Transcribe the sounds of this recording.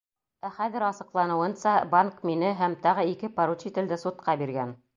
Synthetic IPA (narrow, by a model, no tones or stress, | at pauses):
æχæðɘ̆ɾɑsɤ̆qlˠɑnɤ̆wɤ̆nsɑbaŋkminɘɦæmt̪ɑʁɤikɘpɑɾut͡ɕit̪ɘ̆ld̪ɘsut̪̚qɑbiɾɡæn